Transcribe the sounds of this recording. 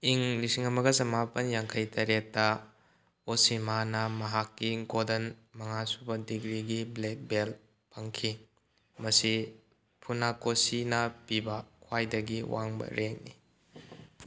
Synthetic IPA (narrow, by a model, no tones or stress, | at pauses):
iŋlisiŋɐmɐɡɐzɐmapɐnjaŋkʰɐjtʰɐɾek̚tːɐ | osimanɐmɐɦakːiɡodɐnmɐŋasubɐdiɡɾiɡiblek̚bel | pʰɐŋkʰi | mɐsi | pʰunakosinɐpibɐkʰwajdɐɡiwaŋbɐ̰ɾʔeŋni